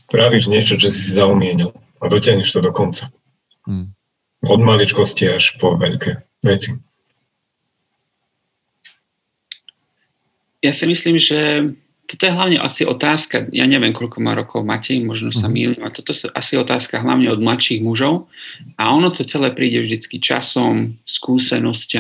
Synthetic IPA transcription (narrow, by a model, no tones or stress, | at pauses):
pɾaʋiʒɲɪɛt͡ʃɔt͡ʃɛsisizaumɪɛɲil | ad̪ɔcɪaɦɲuʃt̪ɔd̪ɔkɔnt͡sa | ɔd̪malit͡ʃkɔsciaʃpɔʋɛ̰ʎkʰɛ | ʋɛt͡si | jasimisliːmʒɛ | t̪ɔt̪ɔjɛɦlaʊɲɛʔa̰siʔɔt̪aːskaja̰ɲɛʋɪɛmkɔʎkɔmaːɾɔkʰɔʊmacɛmɔʒnɔsamiːlɲuat̪ɔt̪ɔʔa̰siɛɔt̪aːskaɦla̰ʊɲɛɔd̪̚mlatʃiːɣmuʒɔʊaɔnɔt̪ɔt͡sɛlɛːpɾiːɟɛvʒd̪it͡skit͡ʃa̰sɔmskuːsɛnɔsc